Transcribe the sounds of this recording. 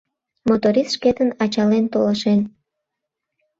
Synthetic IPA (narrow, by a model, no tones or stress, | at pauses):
mot̪oɾist̪ʃket̪ənɑt͡ɕɑlent̪oləʃen